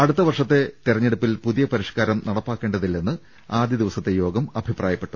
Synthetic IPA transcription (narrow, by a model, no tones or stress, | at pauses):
ɐɽut̪ːɐʋɐrʂɐt̪ːe̞t̪irɐɲːe̞ɽupːilpuðijɐpɐɾiʂkaːɾɐmnɐɽɐpːaːkːe̞ːɳɖɐðilːenːɨ | aːd̪jɐd̪iʋɐsɐt̪ːe̞jo̞ːɡɐmɐbʱiprʔaːjɐpːeʈːu